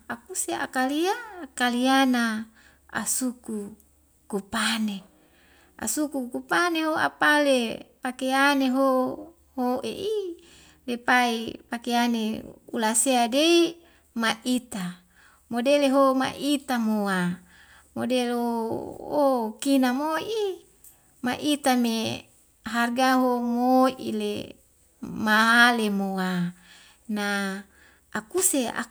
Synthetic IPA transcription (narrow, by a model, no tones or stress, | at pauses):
akusea̰kaliakaliana | a̰suku | kupane | a̰sukukupaneɦoa̰palepakeaneɦo | hoʔḛʔi | lepaipakeanḛṵlaseadei | maʔit̪a | modeleɦoma̰ʔit̪amowa | modelookinamoi | maʔit̪ame | ɦarɡaɦoŋoʔḭlḛ | maɦalemoa | na | akusea̰